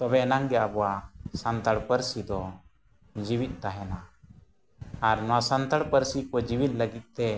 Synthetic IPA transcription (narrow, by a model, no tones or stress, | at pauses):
t̪ɔbɛnaŋɡɛabɔwasant̪aɽpəɾsid̪ɔ | d͡ʒiwit̪̚ˀt̪aɦɛna | aɾnɔasant̪aɽpəɾsikɔd͡ʒiwit̪̚ˀləɡit̪̚t̪ɛ